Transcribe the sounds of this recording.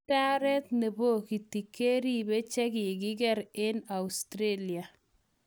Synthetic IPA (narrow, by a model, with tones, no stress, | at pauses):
a˦ɾɛ˦t̪ne˨bo˦˨ki˨ti˨kːe˦ɾi˦bɛ˦t͡ʃɛ˦kɪ˨kɪ˦ɡɛ˦ɾɪ˦na˨u˨stɾe˦li˨a˨